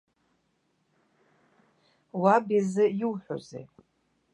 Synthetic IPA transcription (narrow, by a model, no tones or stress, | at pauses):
wabizɨjiwħʷᶣo̰zḛj